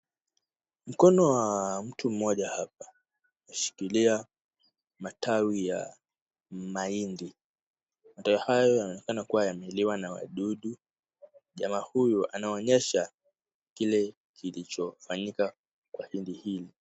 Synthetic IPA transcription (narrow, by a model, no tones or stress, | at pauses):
m̩kɔnɔwam̩tum̩mɔʄahap̚ḁ | naʃi̥kilia | matawija | maindi | matawihajɔjanɔnɛkanakuwajamɛiliwanawa̰ɗuɗu | ʄamaːhujuʔanaɔɲɛʃa | kilɛ | kʰilit͡ʃɔfaɲika | kwahindihili